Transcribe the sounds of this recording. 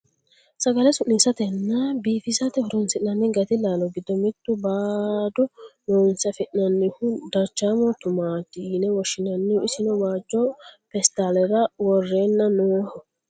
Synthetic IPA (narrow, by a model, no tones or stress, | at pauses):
sɐɡɐlɛsʊʔniːsɐt̪ɛnːɐbiːfɪsɐt̪ɛhʊɾɔnsɪʔnɐnːɪɡɐt̪ɪlaːlɔɡɪd̪ɔmɪt̪ːʊbaːd̪ɔnɔːnsɐfɪʔnɐnːɪhʊd̪ɐɾt͡ʃːaːmɔt̪ʊmaːt̪iːnɛwɔʃːɪnɐnːɪhʊɪsɪnɔwaːd͡ʒːɔpɛst̪aːlɛɾɐwɔrːenːɐnoːhɔ